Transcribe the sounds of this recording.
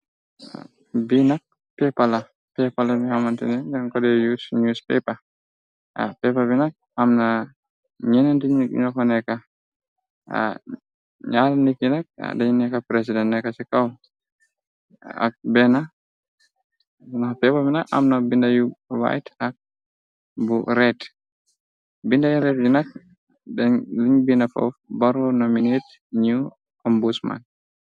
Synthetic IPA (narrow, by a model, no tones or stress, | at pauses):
a̰ | binak̚ | pɛpala | pɛpalabihamantḭnɛd͡ʒaŋkɔdɛjusɲuspɛ̰pa | a̰pɛpabinak̚amna | ɲɛnɛntiɲɲɔkanɛka | ɲalanikinak̚a̰daɲinɛkapɾɛs̬idɛnːɛkasɛkaw | a̰k̚bɛna | napɛbaminaʔa̰mnabindajuwa̰jtak̚ | buɾɛt | bindajuɾɛt̚d͡ʒunak̚ | dɛnliɲbinafɔ̰fbaɾɔnominet | ɲu | ambusma̰n